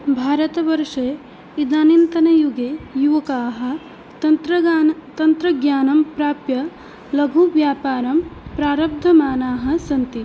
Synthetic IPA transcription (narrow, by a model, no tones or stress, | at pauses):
bʱaːɾɐt̪ɐʋɐɾʂeː | id̪aːnint̪ɐnɐjuɡeːjuʋɐkaːɦɐ̆ | t̪ɐt̪ɾɐt̪ɐnt̪ɾɐɡjaːnɐmpɾaːpjɐ | lɐɡʱuʋjaːpaːɾɐmpɾaːɾɐb̚d̪ʱɐmaːnaːɦɐ̆sɐnt̪i